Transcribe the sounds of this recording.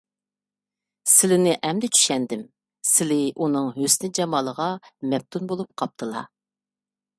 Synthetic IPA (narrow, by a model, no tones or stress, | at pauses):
sɪlɪnɪʔɛmd̪ɪt͡ʃʰy̥ʃɛnd̪ɪm | sɪlɪʔunɨŋɦøsnɪd͡ʒɑmɑːlˠəʁɑmɛp̚t̪ʰunbolˠup̚qʰɑp̚t̪ʰɨlˠɑ̰